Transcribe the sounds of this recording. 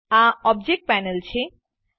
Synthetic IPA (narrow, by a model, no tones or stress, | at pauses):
aɔb̚d͡ʑek̚ʈ̚pɛnelt͡ɕʰe